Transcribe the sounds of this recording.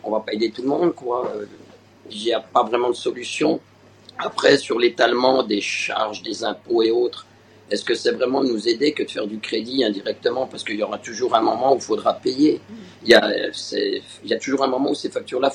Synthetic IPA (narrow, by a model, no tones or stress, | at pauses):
ɔ̰̃vapaed̪et̪ulmɔ̃d̪kwaø | iljapavʁɛmɑ̃d̪əsɔlysjɔ̃ | apχɛsyʁlet̪almɑ̃d̪eʃa̰ʁʒd̪ezɛ̃poeot̪χ | ɛskəsɛvʁɛmɑ̃d̪ənuzed̪ekəd̪əfɛ̰ʁd̪ykχed̪iɛ̃d̪iʁɛk̚t̪əmɑ̃paʁsə̥kəiljɔʁat̪uʒuʁɛ̃mɔmɑ̃uilfod̪ʁapeje | iljasɛ̰ | iljat̪uʒuʁɛ̃mɔmɑ̃usefak̚t̪yʁla